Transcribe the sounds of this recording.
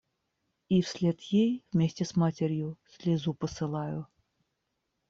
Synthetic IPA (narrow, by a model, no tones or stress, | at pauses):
ifsʲlʲet̪jejvmʲesʲtʲɛsmatʲeɾʲjusʲlʲezupəsɨlˠɑju